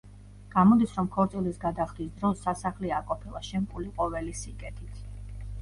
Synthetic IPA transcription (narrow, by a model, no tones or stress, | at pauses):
ɡ̥amɔd̪isɾɔmkʰɔɾt̪sʼilisɡad̪aχd̪isd̪ɾɔsːasaχliakʼɔpʰilˠaʃɛmkʼuliqʼɔvɛlisikʼɛt̪ʰit̪ʰ